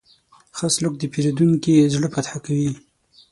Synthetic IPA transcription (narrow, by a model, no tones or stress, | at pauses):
xaslʊk̚d̪əpeɾed̪uŋkizɽəpat̪ħakawi